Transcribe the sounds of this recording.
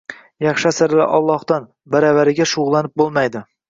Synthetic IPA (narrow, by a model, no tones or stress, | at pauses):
jɑχʃasɪɾla̰ʔɒ̰lˠːɒhd̪an | baɾavaɾɪɡʲaʃʊʁlˠanɪp̚bolˠmajd̪ɪ